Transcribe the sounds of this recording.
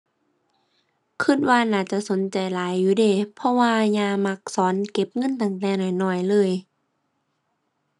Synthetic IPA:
kʰɯ˧˥˩t̪̚waː˧naː˧˩t͡ɕa˧˦ʔso˨˦nt͡ɕa˨˩jlaː˨˦jːuː˧˦deː˧˩pʰɔ˧waː˧ɲaː˧ma˧˥k̚sɔː˨˦nke˧˦p̚ŋɤ˧˥˨nt̪a˧˩ŋt̪ɛː˧nɔ˧˩jnɔː˧˩jlɤː˧˩˨j

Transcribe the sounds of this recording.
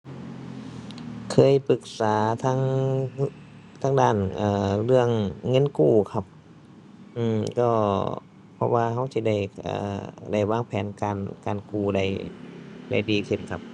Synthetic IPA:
kʰɤː˧˥˨jpɯ˧˩k̚saː˨˦t̪ʰaː˧˥ŋ | t̪ʰaː˧˥ŋdaː˧˩nʔaː˧˩lɯ˧˩əŋːɤ˧˥˨nkuː˧˩kʰa˧˩p̚ | ʔɯː˧˩mkɔː˧˩ | pʰɔ̰˧˥waː˧ha˧˥wsi˧˥da˧˩jʔa̰ː˧˩da˧˩jwaː˧˥˨ŋpʰɛː˨˦nkaː˨˧nkaː˨nkuː˧˩da˧˩j | da̰˧˩jdiː˨˧kʰɯ˧˩nkʰa˧˥p̚

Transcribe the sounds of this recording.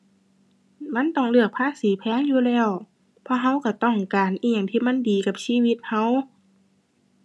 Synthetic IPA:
ma˧˥˨nt̪ɔ˧˩ŋlɯ˧˩ək̚pʰaː˧˥˨siː˨˦pʰɛː˧˥˨ŋjuː˧lɛː˧˥˨w | pʰɔː˧ɦa˧˨wka˧˩t̪ɔ˧˩ŋkaː˨nʔiː˧˨ja˨˩ŋt̪ʰiː˧˨ma˧˥˨ndiː˨˩ka˧p̚siː˧˨wi˧t̪̚ha˧˥˨w

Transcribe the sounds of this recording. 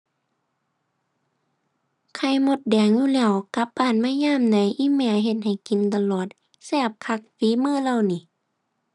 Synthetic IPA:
kʰa˧˩jmo˧˦t̪̚dɛː˨˩ŋjuː˧˨lɛː˧˩˨wka˧˦p̚ʔaː˧˩˨nmaː˧˥˨jaː˧˥˨mda˨˦˨jʔiː˧˥˨mɛː˧˩˨ɦe˧t̪̚ha˨˩jki˨nt̪a˧lɔː˧˨˩t̪̚ | sɛː˧˩p̚kʰa˧˥k̚fiː˨˦mɯː˧˩˨lɛ˧˨wniː˧˩˨

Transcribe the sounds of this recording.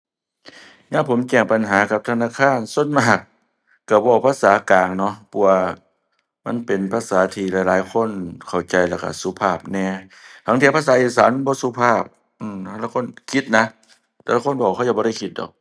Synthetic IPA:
ɲaː˧˥˨pʰo˨˦mt͡ɕɛː˧˩ŋpa˨nɦaː˨˦ka˧˦p̚t̪ʰa˧naː˧˨kʰaː˧˥˨nso˧˥˨nmaː˧˩k̚ː | a˧˩bɔː˧˩˨pʰaː˧˥˨saː˨˦kaː˨ŋnɔ˧pʰɔ˧˩waː˧˩ | ma̰˧˥˨npe˨npʰa˧˨saː˨˦t̪ʰiː˧lɛ˧˨˦jlaː˨˦jkʰo˧˥˨nkʰa˨˩wt͡ɕa˨˩jla˧˩ka̰˧˩suː˧˦pʰaː˧˩p̚nɛː˧˩t̪ʰa˧˦ŋt̪i˧˦pa˧˥s̬aː˨˦ʔiː˧˩saː˨˦nm˨bɔː˧˦suː˧˦pʰaː˧˥˩p̚ | ʔɯː˧˩mt̪ʰa˧˨la˧˨kʰo˧˥˨nkʰi˧˦t̪̚na˧ | t̪ʰɛː˧la˧ko˧˥˨nbɔː˧˩˨kʰxa˧˨a˧˩bɔ˧ɾa˧˩jkʰi˧t̪̚dɔ̰ː˨˩k̚

